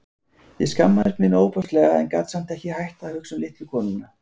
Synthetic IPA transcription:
jɛskamːaðɛpnɪnoːwpɔst̪lɛɣaɛ̰nkaːt̪sam̥t̪ɛhcɪhajht̪aːwhʏksʏmlɪht̪lʏkʰɔːnʏnːa

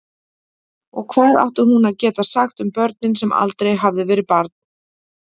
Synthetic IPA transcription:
ɔɣkʰvaːða̰wht̪ʏɾhunaðcɛːt̪asaxt̪ʏmpœɾt̪̚nɪnsɛma̰lt̪ɾejɦavðɪvɛːɾɪpaɾt̪̚n

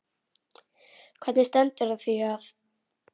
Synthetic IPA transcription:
kʰvɛt̪nɪst̪ɛnt̪ʏɾaðθiaθ

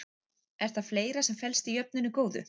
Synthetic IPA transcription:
ɛɾ̥t̪afleːjɾasɛmfɛlst̪ijœp̚nɪnʏkoːwðʏ̰

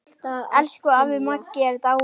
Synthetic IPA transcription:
t̪aɛlskʏavɪmakːɪɛɾt̪a

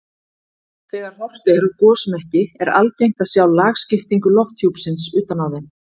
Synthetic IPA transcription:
θɛːɣaɾ̥hɔr̥t̪ɪɛɾʏkɔːsmɛhcɪɛɾa̰lcejŋ̥t̪asjaːwlaːɣscɪft̪iŋkʏlɔft̪hjuwpsɪnsʏːt̪anawðɪn

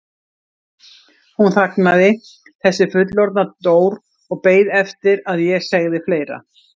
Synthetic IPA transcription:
hunθaknaðɪ | θɛsːɪfʏt̪̬lɔɾt̪nat̪oːwɾ | ɔɣpeːjðɛft̪ɪɾaðjɛsɛɣðɪfleːjɾa̰

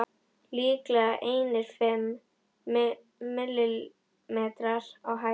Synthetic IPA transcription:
liːklaʔejnɪɾ̥fɛm | ɪlːɪl | mɛːt̪ɾaɾawɦa

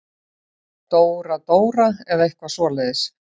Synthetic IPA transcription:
t̪oːwɾat̪oːwɾaɛðaejhkvasvɔːlɛðɪs

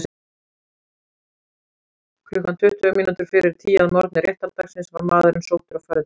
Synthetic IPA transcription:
kʰlʏhkːant̪ʰʏht̪ʏʏminut̪ʏɾ̥fɪɾɪɾ̥t̪ʰiːjaðmɔɾt̪nɪɾjɛht̪alt̪aksɪnsvaɾmaːðʏɾɪnsoːwt̪ʏɾawfaɾɪ̥

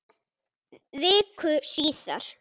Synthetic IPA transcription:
ðɪːkʰʏsiːθa̰ɾ̥

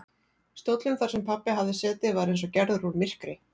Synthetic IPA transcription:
st̪owt̪lʏmθaɾ̥sɛmpʰapːɪɦavðɪsɛːt̪ɪvaɾejns̬ɔcɛɾðʏɾuɾmɪr̥kɾɪ

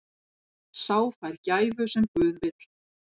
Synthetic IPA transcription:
saːwfajɾcaːjvʏsɛmkʏːðvɪt̪l̥

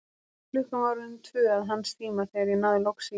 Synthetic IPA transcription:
flʏhkavaɾʏmt̪ʰvʏːaðɦanst̪ʰiːmaθɛɾinaðɪlɔksi

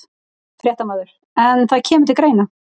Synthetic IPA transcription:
fɾjɛht̪amaːðʏɾ̥ | ɛnθaðcʰɛːmʏɾt̪ʰɪlkɾeːjna

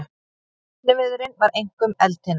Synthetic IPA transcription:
t̪lɪvɪðʏɾɪnvaɾejŋ̥kʏmɛlt̪ɪn

